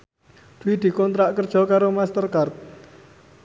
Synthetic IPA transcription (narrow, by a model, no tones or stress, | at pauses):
d̪̥uwid̪̥i̤kɔnt̪ɾaʔkərd̥ʒ̥ɔ̤kaɾomast̪ərkart̪̚